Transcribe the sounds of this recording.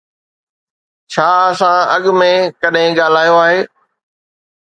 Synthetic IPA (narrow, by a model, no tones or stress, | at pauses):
t͡ɕʰaːɐsãɐɠmẽkɐɗɦɪ̃ɠaːl̤aːjoaːɦeː